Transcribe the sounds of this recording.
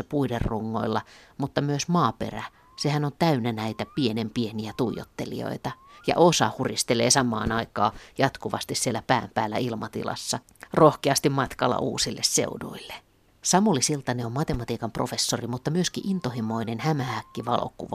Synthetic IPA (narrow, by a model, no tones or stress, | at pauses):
ɑpuiderruŋːo̰ilːɑmut̪ːɑmyøsmɑːpḛræ | sehænont̪æynænæit̪æpienempieniæt̪uijo̰t̪ːelḭo̰it̪ɑjɑ̰ʔosɑ̰hurist̪eleːsɑmˑɑ̰ːnɑikɑ̰ːjɑt̪kuʋɑst̪issielːæpæːmpæːlːæ̰ilmɑt̪ḭlɑ̰sːɑ | rohkeɑst̪immɑt̪kɑlːɑ̰ʔṵːsilːessḛunṵilːe | sɑmulisilt̪ɑneommɑt̪emɑt̪iːkɑmprofesːorimut̪ːɑmyøskiʔint̪ohimoinenhæmæhækːiʋɑlo̰kuʋɑ